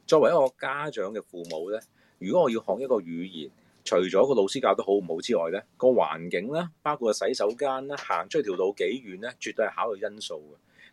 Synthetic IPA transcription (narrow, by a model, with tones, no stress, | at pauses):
t͡ʃɔː˧kwɐ˨˩jɐ˥kɔː˧kaː˥t͡ʃœː˨˧˥ŋkɛː˧fuː˨˧mo˨˧wlɛː˥ | jyː˨˩kɔ˨˥ŋɔː˨˧ji˧whɔː˨˧ŋ̚jɐ˥t̚kɔː˧ɥyː˨˧jiː˨˩n | t͡ʃʰɵ˨˩ɥt͡ʃɔː˨˥kɔː˧lo˧wsiː˥kaː˧wt̪o˥wɦo˨˥wm̩˨˩ho˨˧wt͡siː˥ɔː˨˩jlɛː˥kɔː˧wa̰ː˨˩nkɪ˨˥ŋlaː˥paː˥wkʰu˧t̚kɔ˨˩sɐ˨˥jsɐ˨˥wkaː˥nlaː˥ha̰ː˨˩ŋt͡ʃʰɵ˥t̪ʰi˨˩wlo˨˧wke˨˥jɥyː˨˩nlɛː˥t͡ʃyː˨t̪ːɵ˧hɐ˨jhaː˨˥wlɵ˨˧ɥjɐ˥nso˧wɡɛ˧